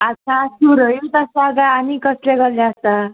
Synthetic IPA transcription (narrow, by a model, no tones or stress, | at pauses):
ʌtːsʰasuɾʌjut̪ʌsaɡaːnikʌsleɡʌɾljaʌst̪a